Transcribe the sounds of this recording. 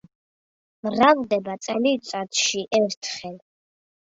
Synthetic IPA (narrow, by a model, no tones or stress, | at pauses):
mɾald̪ɛbat̪sʼɛlit̪sʼat̪ʰʃiʔɛɾt̪ʰχɛl